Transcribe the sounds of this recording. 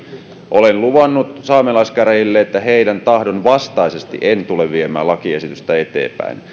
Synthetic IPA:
ʔolenluʋɑnːut̪sɑːmelɑiskæɾejilːeet̪ːæheidænt̪ɑhdonʋɑst̪ɑisest̪ḭʔent̪uleʋʋiemæ̰ːlɑkiesit̪yst̪æet̪ḛːpæ̰in

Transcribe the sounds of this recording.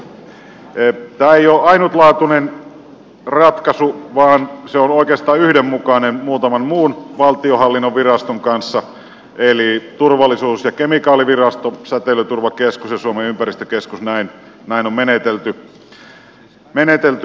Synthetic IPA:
t̪æːeijoːʔɑinut̪lɑːt̪unen | rɑt̪kɑsuʋɑːnseonoˑikeɑst̪ɑːyhdemmukɑnenmuːt̪ɑmɑnmuːnʋɑlt̪iohɑlːinːoʋʋirɑst̪oŋkɑnsːɑ | ʔelit̪urʋɑlːˑisuːsjɑkemikɑːliʋirɑst̪osæt̪elyt̪urʋɑkeskusjɑsuomeympærist̪ø̥keskusnæin | næinommenet̪elt̪y | menet̪elt̪y

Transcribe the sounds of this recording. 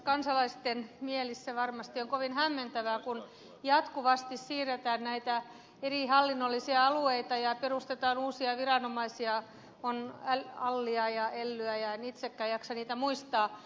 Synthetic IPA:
kɑnsɑlɑist̪enmielisseʋɑrmɑst̪ioŋkoʋinhæmːent̪æʋækun | jɑt̪kuʋɑst̪issiːret̪æːnnæit̪æ | erihɑlːinːolːisiɑɑlueit̪ɑjɑperust̪et̪ɑːnuːsiɑʋirɑnomɑisiɑ | onæɑlːiɑjɑelːyæjɑenit̪sekːæːjjɑksɑniːt̪æmuist̪ɑː

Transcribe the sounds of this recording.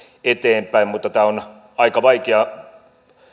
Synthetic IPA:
et̪eːmpæimmut̪ːɑt̪æːon | ɑikɑʋɑikeɑ

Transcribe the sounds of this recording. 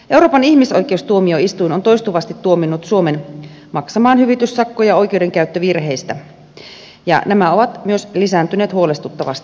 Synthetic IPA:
ʔe̞uɾo̞ːpɑniçmiso̞jk̟ˑe̞ust̪uomioist̪uinont̪o̞jst̪uʋɑst̪it̪ːuominːut̪suomen | mɑksɑmɑːnhyʋit̪ysːɑkːojɑo̞jk̟ewde̞ŋkæyt̪ːøʋirɦe̞jst̪æ | jɑ̰næmæo̞ʋɑt̪myø̞slisænt̪yneːt̪huo̞le̞st̪ut̪ːɑʋɑ̰st̪i̥

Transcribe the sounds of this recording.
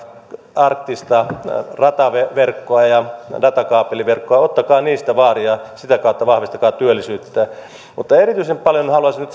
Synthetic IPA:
ɑrkt̪ːist̪ɑrɑt̪ɑʋeʋerkːoɑjɑdɑt̪ɑkɑːpeliʋerkːoɑot̪ːɑkɑːniːst̪æʋɑːriɑsit̪ækɑˑut̪ːɑʋɑhʋist̪ɑkɑːt̪yølːisyːt̪ːæː | mut̪ːɑerit̪yisempɑljonhɑluɑsinyt̪

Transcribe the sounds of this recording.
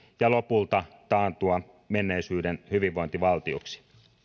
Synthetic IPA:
jɑlo̞pult̪ɑt̪ɑːnt̪uɑ | menːe̞isyːdenhyʋiʋʋo̞int̪iʋɑlt̪ioksi̥

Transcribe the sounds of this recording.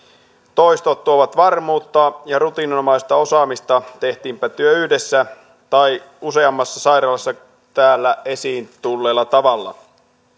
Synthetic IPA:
t̪o̞jst̪ot̪ːuoʋɑt̪ʋɑrmuːt̪ːɑːjɑɾut̪inomɑist̪ɑo̞sɑːmist̪ɑt̪e̞ht̪iːmpæt̪yøyhde̞sːæ | t̪ɑj | use̞ɑmːɑsːɑsɑjɾɑlɑsːɑ | t̪æːlːæe̞siːnt̪ulːe̞ːlːɑt̪ɑʋɑlːɑ̰

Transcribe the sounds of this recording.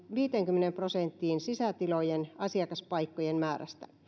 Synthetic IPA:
ʋiːt̪eŋkymːenemprosent̪ːiːnsisæt̪ilojenɑsiɑkɑspɑikːojenmæːræ̰st̪æ

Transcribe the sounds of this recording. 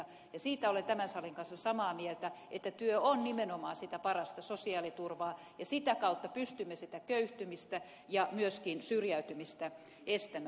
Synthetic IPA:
jɑsiːt̪æolent̪æmænsɑleŋkɑnsːɑsɑmɑːmielt̪æʔet̪ːæt̪yøonnimenomɑːsit̪æpɑrɑst̪ɑsosiɑːlit̪urʋɑː | jɑsit̪ækɑut̪ːɑpyst̪ymːesit̪ækøyht̪ymist̪æ | jɑmyøskinsyrjæyt̪ymist̪æ | est̪æm

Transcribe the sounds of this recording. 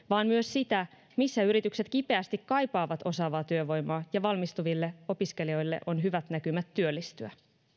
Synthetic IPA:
ʋɑːnmyøssit̪æ | misːæyɾit̪ykse̞t̪kipe̞æst̪ikkɑjpɑːʋɑt̪o̞sɑːʋɑːt̪yøʋo̞jmɑːjɑʋɑlmist̪uʋilːe̞o̞piske̞lio̞jlːe̞̰ʔo̞nɦyʋæt̪nækymæt̪ːyølːist̪yæ

